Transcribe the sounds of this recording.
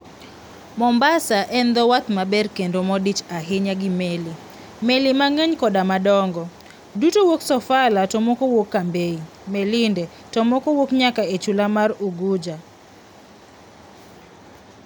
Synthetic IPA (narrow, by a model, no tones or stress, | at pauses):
mɔmbasaʔɛnd̪ɔwat̪mabɛrkendomɔdit͡ʃaɦɪɲaɡɪmeli | melɪmaŋeɲkɔdamadɔŋɡɔ | dutowoksɔfalatɔmokowokːambei | melɪndɛ | tɔmokowokɲakaet͡ʃulamaruɡud͡ʒa